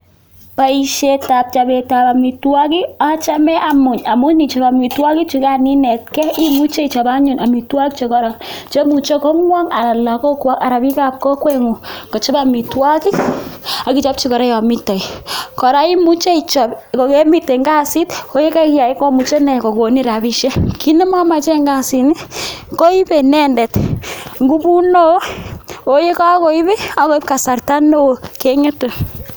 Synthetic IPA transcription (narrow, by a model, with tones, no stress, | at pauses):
pa˨i˨ʃe˨ta˨p̚t͡ʃa˨be˨ta˨pa˨mi˨twa˦ki˦a˦t͡ʃa˦mɛ˦ʔa˨mʊ˨ɲa˨mʊ˦ni˨t͡ʃɔ˨ba˨mi˨twa˦ki˦t͡ʃu˨˧ka˦ni˦nɛ˨t̚kɛ˦i˦mu˦t͡ʃe˦i˨t͡ʃa˨ba˦ɲu˨na˨mi˨twa˦ki˦t͡ʃo˨kɔ˦ɾa˨t͡ʃe˦mu˨t͡ʃo˦kɔ˦ŋwa˦ŋa˨ɾa˨la˨kɔ˦kwa˦ka˨ɾa˨bi˦ka˦p̚kɔ˦kwɛ˦ŋu˨kɔ˨t͡ʃɔ˦ba˨mi˨twa˦ki˦a˨ki˦˨t͡ʃa˦p̚t͡ʃi˦kɔ˨ɾɛ˦ja˨mɪ˦ta˨jkɔ˨ɾa˦i˦mu˦t͡ʃe˦i˨t͡ʃɔ˨pko˨ke˦mi˦te˨ŋɡa˦si˦to˦je˦ka˦ki˦ja˨i˦kɔ˦mu˨t͡ʃe˦nɛ˨ko˨ko˨ni˦ɾa˨bi˦ʃɛ˦kʰi˦nɛ˦ma˦ma˨t͡ʃɛ˦ŋɡa˦˨si˨ni˦ko˦i˦bɛ˨nɛ˦ndɛ˨tŋɡu˦bu˦no˦o˨je˦ka˦ko˦i˦bɛ˦a˨˦ko˦i˦p̚ka˨sa˨rta˦no˦˨ke˦ŋɛ˦to˨